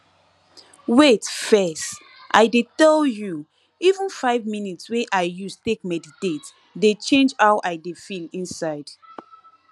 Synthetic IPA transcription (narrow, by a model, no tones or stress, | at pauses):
wetfɛst | ʔa̰ɪdetɛlju | ivə̃nfaɪvminitsweʔaɪjustek̚mɛditet | det͡ʃẽnd͡ʒaʊʔaɪdefilĩnsaɪd̥